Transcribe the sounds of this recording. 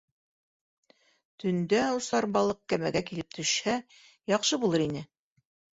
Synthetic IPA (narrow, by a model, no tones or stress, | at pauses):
t̪ɵ̆nd̪æwsɑɾbɑlˠɤq̚kæmæɡækilɘp̚t̪ʰɵ̆ʃhæ | jɑqʃɤbulˠɤɾinɘ